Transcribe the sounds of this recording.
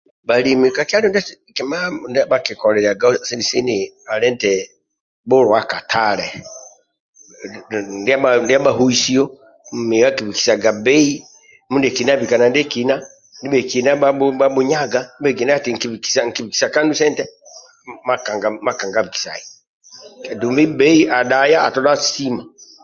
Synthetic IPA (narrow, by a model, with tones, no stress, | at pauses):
ba˨limika˨ki˦a˦ɾɛ˦nda˦ | kɛma˦undiabaki˨kɔ˨lɛ˨ɾi˨a˨ɡa˦si˦ndisi˦nia˨lɛ˦ntɛ | bɔ˦ɾɔ˨a˦ka˨tʰalɛ | ndi˦abandi˦a˦baɦu˦i˦si˦ɔ˦ | m̩˨mi˨wa˦ki˨βi˨ki̥˨sa˨ɡa˨bɛ˦i˦ | mu˦ndɛ˨ki˨na˦βi˨ka˨na˨ndɛ˦kina˦ | ndi˦bɛ˨ki˨na˦bababu˦ɲa˦ɡa˦m˦bɛ˨ɡi˨na˦ati˨ŋ̩˨ki˨βiki̥˨saŋ̩˨ki˨βi˨ki̥saka˦ndu˦sɛ˦ntɛ | ma˦ka˨ŋɡama˦ka˨ŋɡa˨βi˨ki̥˨sa̰˨i | a˨du˨mbi˦bɛ˦i˦ʔa˨ɗa˨jaː˦˨tɔ˨la˦si˦ma˨